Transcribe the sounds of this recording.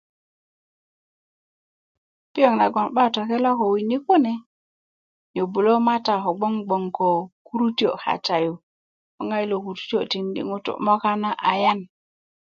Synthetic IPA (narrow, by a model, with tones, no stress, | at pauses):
pi˦jo˦˨ŋna˨ɡo˨nɓa˦to˨ke˦la˦ko˨wi˨ni˦ku˦ne˨ | ɲo˨bu˨lo˦ma˦ta˨ɦo˨ɡ͡bo˦ŋɡ͡bo˨ŋko˨ku˦ɾu˦ti˦o̰˨ha̰˨ta˨ju˨ | o˨ŋa˦jlo˨ku˨ɾu̥˦ti˦o̰˨ti˨ndḭ˨ŋu˦tṵ˨mo˦ka˦na˦ʔa˨ja˦n